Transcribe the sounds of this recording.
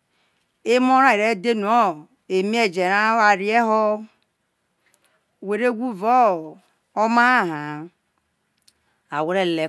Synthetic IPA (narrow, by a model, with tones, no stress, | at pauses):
e˦mo˦ɾa˦˨i˨ɾe˦de˦nu˨o˦ | e˨mi˦e˦d͡ʒe˨ɾa˦a˨ɾi˦e˦ɦɔ˦˨ | we˨ɾe˦ɡu˦vɔ˦ | o˦ma˦a˦ɦa˨ | a˨we˦ɾe˦le˨